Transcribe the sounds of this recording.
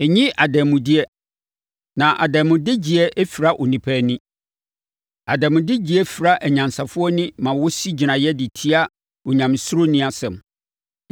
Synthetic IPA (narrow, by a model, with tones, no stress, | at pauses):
ɛ˨ɲĩ˦ʔa˨dɛ˨mʊ̃˨dɪ˦ɛ˦ | nã˨ʔa̰˨dɛ˨mʊ̃˨dɪ˦d͡ʑi˨ɛ˦ʔɛ˦fi˨ɾa˦ʔɔ˨nĩ˨pʰæː˦nʊ̃˦ | a˨dɛ˨mʊ̃˨dɪ˦d͡ʑi˨ɛ˦fi˨ɾa˦ʔæ˨ɲã˨nsa˨fʊ˦ɔ˦nɪ̃˦mã˨wɔ˦si˦d͡ʑi˨nã˨jɛ˦dɪ˨tʰi˦a˦ | ɔ˨ɲã˨m˨sʊ˦ɾo˦nĩ˦a˨sɛ̃˨m